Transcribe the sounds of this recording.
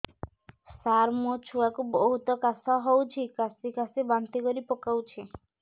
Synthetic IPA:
saɾmot͡ʃʰuakubɔɦut̪ɔkasɔɦɔwt͡ʃʰikasikasibant̪ikɔɾipɔkawt͡ʃʰi

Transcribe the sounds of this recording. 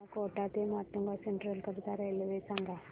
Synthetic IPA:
koʈat̪emaʈːuŋɡaseɳʈɾəlkəɾt̪aɾajleʋesaŋɡa

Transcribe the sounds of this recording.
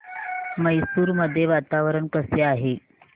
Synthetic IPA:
məjsuːɾməd̪ʱːjeʋat̪aʋəɾəɳkəseaɦe

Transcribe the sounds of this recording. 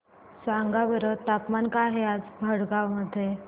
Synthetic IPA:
saŋɡaʋəɾət̪apmankaɦead͡zbʱəɽɡawməd̪ʱːje

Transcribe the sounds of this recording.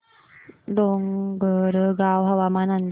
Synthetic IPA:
doŋɡəɾəɡawɦawamanand

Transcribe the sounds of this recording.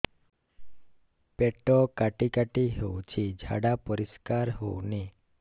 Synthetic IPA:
pɛʈɔkaʈikaʈiɦowt͡ʃʰid͡ʒʱa̰ɽapɔɾiskaɾɦo̰ni

